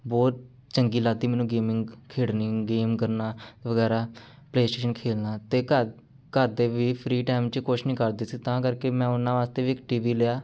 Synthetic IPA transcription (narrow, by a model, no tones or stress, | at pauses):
bɔːt̪̚ | t͡ʃəŋɡiːlaːd̪iːmɛːnũːɡeːmɪ̃ŋɡkʰeːɽniːɡeːmkəɾnaːʋəɡɛːɾaː | pleːsʈeːʃənkʰeːlnaːt̪eːkə | kəɾd̪eːʋiːpʰɾiːʈaːmt͡ʃkʊʃnĩːkəɾd̪iːsiːt̪ãːkəɾkeːmɛ̃ːʊnãːʋaːst̪eːʋiːɪkʈiːʋiːleaː